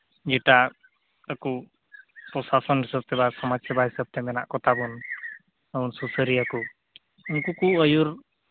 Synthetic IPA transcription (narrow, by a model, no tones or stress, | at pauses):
d͡ʒɛʈa | aku | pɾɔsasɔnɦisəb̚t̪ɛbasɔmasɛbaɦisəb̚t̪ɛmɛna̰ʔkɔt̪abun | əunsusəɾiaku | uŋkukuəjuɾ